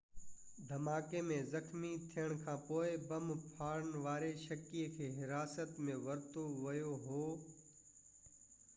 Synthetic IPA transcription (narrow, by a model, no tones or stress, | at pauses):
d̪ʱɐmaːkemẽːzɐxmit̪ʰijəɽ̃kʰãːpoːɪbɐmpʰaːɾənʋaːɾeʃɐkiːəkʰeːɦɪɾaːsət̪mẽʋɐɾt̪oʋɐjoɦoː